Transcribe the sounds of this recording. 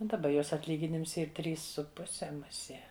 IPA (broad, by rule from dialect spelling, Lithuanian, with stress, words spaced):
dɐˈbɐ ˈjoːs ɐtʲˈlʲiːɡʲɪnʲɪms ˈiːr ˈtʲrʲiːs sʊ ˈpʊsʲɛ mʊˈsʲiɛ